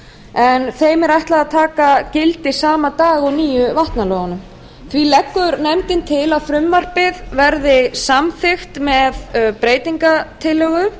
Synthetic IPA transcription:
ɛnθejmɛɾajht̪laðaðt̪ʰaːkacɪlt̪ɪ̥saːmat̪aːɣɔɣniːjʏvaht̪nalɔɣanʏm | θvilɛkːʏɾnɛmt̪ɪnt̪ʰɪlaðfɾʏmːar̥pɪðvɛɾðɪsamθɪxt̪mɛðpɾeːjt̪iŋkat̪ʰɪlːœɣʏ

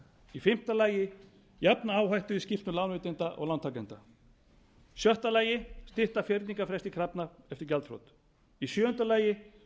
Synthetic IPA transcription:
ifɪm̥t̪alaːjɪ | japnaaːwɦajht̪ʏiscɪft̪nʏlawnʏt̪ɛnt̪aʔɔ̰ɣlant̪ʰawkɛnt̪a | sjœht̪alaːjɪst̪ɪht̪afjɛɾt̪niŋkafɾɛst̪ikʰɾapnaɛft̪ɪɾcɛlt̪fɾo̰wt̪ | isjœːʏnt̪alaːjɪ

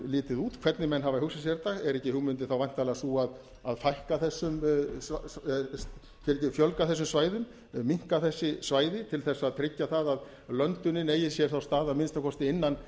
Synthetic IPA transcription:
lɪːt̪ɪðuːt̪kʰv̥ɛt̪nɪmɛnːɦavaɦʏwsas̬jɛɾt̪aɣɛɾɛhcɪhʏɣmʏnt̪̬ɪθawvajn̥t̪alɛɣasuað | aðfajhkaθɛsːʏm | fjɛɾɛcɪfjœlkaθɛs̬ːʏmsvaːjðʏm | miŋ̥kaθɛsːɪsvaːjðɪt̪ʰɪlθɛsːaðt̪ʰɾɪcːaθaðað | lœnt̪ʏnːɪneːjɪsjɛɾ̥θawst̪aːðamɪnst̪akʰɔst̪ɪɪnːan

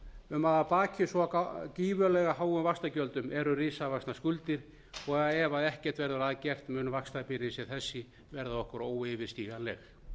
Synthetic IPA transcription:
ʏmaðapaːcʰɪsɔciːvœlɛɣaɦaːwʏmvakst̪acœlt̪ʏmɛɾʏrɪːsavaksnaskʏlt̪ɪɾ̥ | ɔɣaɛvaðɛhcɛr̥t̪vɛɾðʏɾaːðcɛr̥t̪mʏːnmvakst̪apɪɾɪsɪθɛsːɪ | vɛɾðaɔhkʏɾoːwevɪɾ̥st̪iːɣalɛ̰x

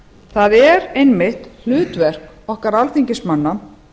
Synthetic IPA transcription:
θaðɛɾejnmɪht̪l̥ʏːt̪vɛr̥k | ɔhkaɾalθiɲcɪsmanːa

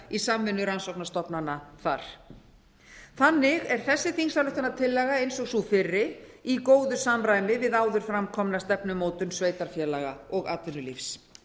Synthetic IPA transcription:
isamvɪnːʏɾansowknast̪ɔpnanaθaɾ̥ | θanːɪɣɛɾ̥θɛsːɪθinsaɾlʏht̪anat̪ʰɪlːɛɣaejnsɔɣsufɪrːɪikoːwðʏsamɾaːjmɪvɪðaːwðʏɾ̥fɾamkʰɔmnast̪ɛpnʏmoːwt̪ʏnsveːjt̪aɾ̥fjɛːlaɣaɔɣa̰ːt̪vʏnːʏlifs

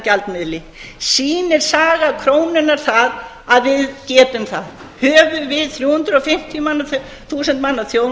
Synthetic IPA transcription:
calt̪mɪðlɪ | siːnɪɾ̥saːɣakʰɾoːwnɪnːaɾ̥θað | aðvɪðcɛːtʏmθað | hœːvʏvɪðθɾjuːhʏnt̪ɾɔfɪm̥t̪ʰjmanːa | θuːsɛnt̪manːaθjoːw

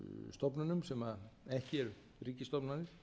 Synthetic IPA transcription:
st̪ɔpnanʏmsɛmaɛhcɪɛɾ | riːcɪst̪ɔpnanɪ

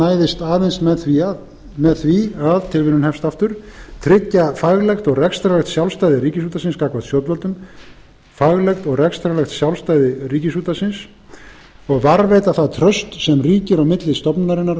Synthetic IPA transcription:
aːjðɪst̪aːðɛnst̪mɛðθvi | mɛðθviaðt̪ʰɪlvɪnːʏnhɛfst̪aft̪ʏɾ̥t̪ʰɾɪcːafaɣlɛxt̪ɔɣrɛkst̪ɾalɛxt̪sjawlst̪ajðɪɾiːcɪsuːt̪asɪnskaːkvat̪sjɔw̪t̪vœlt̪ʏm | faɣlɛxt̪ɔɣrɛkst̪ɾalɛxt̪sjawlst̪aːjðɪriːcɪsuːt̪asɪns | ɔɣvaɾvɛjt̪aθaðt̪ʰɾœst̪sɛmriːcɪɾawmɪt̪lɪst̪ɔpnaɾɪnːaɾ

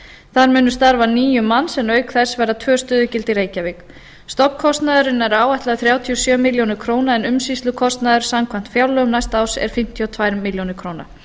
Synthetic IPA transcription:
θaðɾmʏːnʏst̪aɾvaniːjʏmːanːsɛnœːɥkθɛ̥svɛɾðat̪ʰvœːst̪œːðʏcɪlt̪ɪɾeːjcavɪk | st̪ɔkkʰɔst̪naðʏɾɪnːɛɾaːwaht̪laðθɾjaːwt̪ʰiɔsjœːmiljownɪɾ̥kʰɾoːwnaɛnʏmsist̪lʏkʰɔst̪naðʏɾ̥samkʰvam̥t̪fjawlœɣʏmnajst̪aːwsɛ̰ɾ̥fɪm̥t̪ʰjɔt̪ʰvaːjɾmːɪljownɪɾkʰɾoːwna̰

